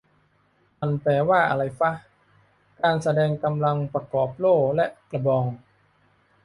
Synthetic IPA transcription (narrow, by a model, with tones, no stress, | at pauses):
ma˧˩npɛː˧waː˥˩ʔa˧ɾa˧jfa˦˥ʔ | kaː˧nsa˧dɛː˧ŋka˧mla˧ŋpɾa˧kɔː˨˩p̚loː˥˩k̚lɛ˦˥ʔkla˧bɔː˧ŋ